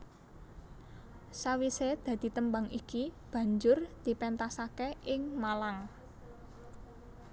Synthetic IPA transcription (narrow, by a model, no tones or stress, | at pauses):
sawised̪̥ä̤d̪̥i̤t̪əmbaŋikib̥ä̤ɲd͡ʒʊrd̪̥i̤pɛnt̪asakeʔɪŋmalaŋ